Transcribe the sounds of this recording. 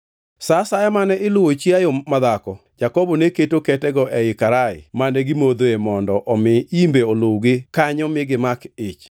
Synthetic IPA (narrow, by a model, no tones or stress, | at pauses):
sasajamanɛʔɪlʊwot͡ʃiajomad̪akɔ | d͡ʒakɔbɔneketokɛtɛɡɔʔɛɪkaɾaɪ̰manɛɡɪmod̪oemɔndɔʔɔmɪimbeolowɡɪkaɲɔmɪɡɪmakɪt͡ʃ